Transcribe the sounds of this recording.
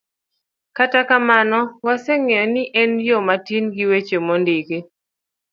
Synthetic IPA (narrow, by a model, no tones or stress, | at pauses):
katakamanɔwasɛŋeɔnɪʔɛnjɔmatinɡiwet͡ʃemɔndɪke